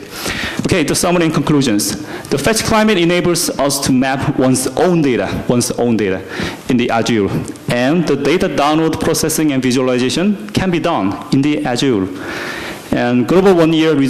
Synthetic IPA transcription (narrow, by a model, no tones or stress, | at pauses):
okʰeɪdəsʌməɹɛ̃nkʰə̃nkʰl̥uʒə̃nsð̥əfɛt͡ʃkʰl̥ãɪ̃mɨɾɛneɪbəlzʌstʰumæpwʌ̃nsʔõʊ̃ndeɪɾa̰wʌ̃nsõ̰ʊ̃ndeɪɾa | ɨ̃nd̪iʔad͡ʒulʔɛ̃nd̪ədeɪɾadãʊ̃nlod̚pʰɹ̥osɛsɪ̃ŋɛ̃nviʒuəlaɪzeɪʃə̃nkʰɛ̃nbidʌ̃nɪ̃nd̪iʔæd͡ʒul | ɛ̃nɡoɾbəlwʌ̃njiɹɹi